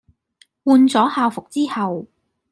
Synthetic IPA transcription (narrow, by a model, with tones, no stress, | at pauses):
wuː˧nt͡sɔː˨˥haː˧wfʊ˨k̚t͡siː˥hɐ˨w